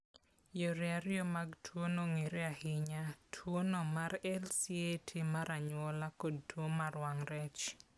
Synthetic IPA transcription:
joɾɛaɾɪjomaɡtʰwonoŋeɾeahɪɲatʰwonomaɾɛlsietʰimaɾaɲwɔlakod̚twomaɾwaŋɾɛt͡ʃ

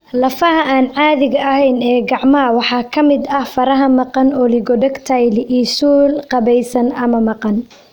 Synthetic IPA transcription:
lɐfɐɦɐʔaːnʕɑːðɪɣɐɐhɛjnɛːɡɑʕmɐɦɐwɑħɑːkʰɐmɪd̪ɐhfɐɾɐɦɐmɑqɑnɔlɪɡɔɖɐɡt̪ʰɐjlɪʔiːsuːlqɑβɛjsɐnɐmɐmɑqɑn

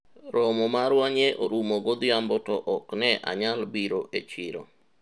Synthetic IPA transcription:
ɾɔmɔmaɾwaɲeʔo̰ɾumoɡod̪jambɔtɔʔɔknɛʔa̰ɲalbiɾoʔet͡ʃɪɾo̰

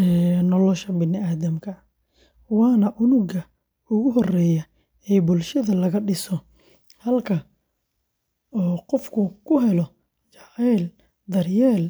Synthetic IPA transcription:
ɛːnɔlɔʃɐbɪnɪaːðɐmkʰɐ | wɑːnɐʔʊnʊɣɐ | ʊɣʊɦɔrɛːjɐ | ɛːbʊlʃɐðɐlɐɣɐɖɪsɔ | hɐlkʰɐ | ɔːqɔfkʰʊkʰʊɦɛlɔ | t͡ʃɑʕɛːl | d̪ɐrjɛːl

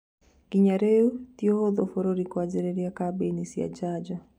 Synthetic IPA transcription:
kiɲaɾɛutiɔhɔðɔfɔɾɔɾikwad͡ʒɛɾɛɾiakabɛnisia̰d͡ʒad͡ʒa

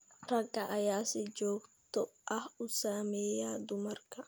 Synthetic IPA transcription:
ɾɐkʼːɐʔɐjaːsɪd͡ʒoːkt̪ɔʔɐhʊsaːmeːjaːd̪ʊmɐrkɐ

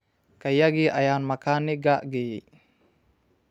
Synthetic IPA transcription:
kajaɡiʔajanmakaniɡaʔɡi

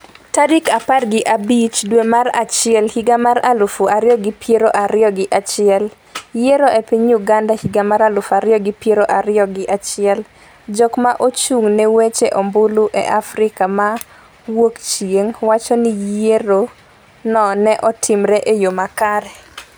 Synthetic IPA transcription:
tadikaparɡɪʔabit͡ʃdwemaɾa̰t͡ʃɪɛlhiɡamaɾalʊfuʔaɾɪjɔɡɪpjeɾoʔaɾɪjɔɡɪʔat͡ʃɪɛl | jeɾoʔepɪɲjuɡandahiɡamaɾalʊfaɾɪjɔɡɪpjeɾoʔaɾɪjɔɡɪʔat͡ʃɪɛl | d͡ʒɔkmaʔot͡ʃuŋnɛwet͡ʃeʔɔmbʊluʔɛ̰ʔafɾɪkama | wokt͡ʃijeŋwat͡ʃɔnɪjeɾo | nɔnɛʔɔtʰɪmɾɛʔejomakaɾɛ

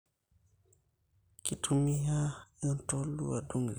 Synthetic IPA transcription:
kitumːiɦaɛntolːṵwaduŋ

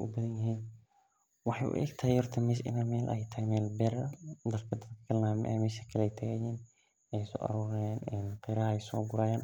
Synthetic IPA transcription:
ʊ̰bɐðɐnjɪɦiːn | wɑħɑ̰jʔʊ̰ʔɛ̰ɡt̪ʰɐjɔrt̪ʰɐmɪsɪ̰naːmɛːlʔɐ̰jt̪ʰɐhjmɛːlbɛɾɐd̪ɐd̪kʰɐd̪ɐd̪kɐ̥kʰɐlnamʔɛ̰mɪʃɐkʰɐlɛjt̪ʰɐɡɛjɛːn | ɛjsɔ̰ːʔɐ̰ɾuːɾɐjaːnɛnqɛɾɐhɛjsɔːɡʊɾaːjaːn

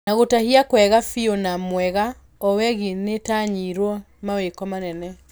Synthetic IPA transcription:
naɣotahiakwɛɣafionamwɛɣa | ɔwɛɣinetaɲiɾwɔ | mawekɔmanɛnɛ

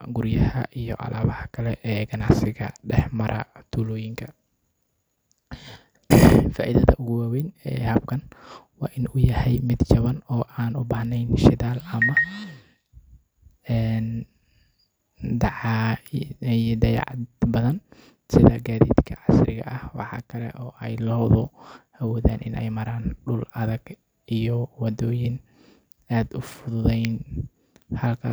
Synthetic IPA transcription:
ɡʊrjɐhɐʔijɔ̰ʕɑ̰lʔaːβɐhɐkʰɐlɛʔɛːɡɐnɑʕsɪɣɐɖɛħmɐɾʔɐ̰t̪ʰuːlɔːjɪŋkʰɐ | faːʔiðɐðɐ̰ʔʊɣʊwaːwɛjnɛːhɐb̚kʰɐn | wɑːʔɪnʊjɐhɛjmɪd̪t͡ʃɐβɐnɔːʔaːnʊbaːhnɛjnʃɪðaːlɐmɐ | ɛːn | d̪ɑʕɑ | jd̪ɐjɑ̰ʕbɐðɐn | sɪðɐɡaːðḭːd̪kʰɐʕɑsrɪ̰ɣɐ̰ʔɐhwɑ̰ħɑ̰ːkʰɐlɛ̰ʔɔːʔɛjlɔːwðɔʔɐwɔːðaːnʔɪnʔɛ̰jmɐɾaːnɖʊlɐðɐɡ | ʔijɔwɑðɔːjɪn | aːd̪ʊfʊðʊðɛjn | hɐlkʰɐ

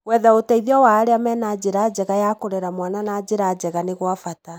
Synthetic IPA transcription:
wɛðaotaiðeɔwaːɾeamɛːnad͡ʑeɾad͡ʑɛɣajakoɾɛɾamwananad͡ʑeɾad͡ʑɛɣaneɣwafata

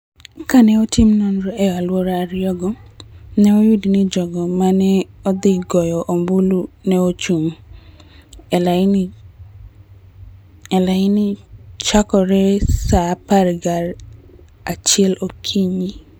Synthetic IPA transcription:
kanɛotimnɔnɾoʔɛalwɔɾaɾɪjɔɡɔnɛojudinid͡ʒɔɡɔmanɛɔd̪ɪɡɔjɔʔombulunɛot͡ʃum | ɛla | ɛlaɪnit͡ʃakɔɾɛsapaɾɡaɾ | at͡ʃɪɛlokʰiɲi

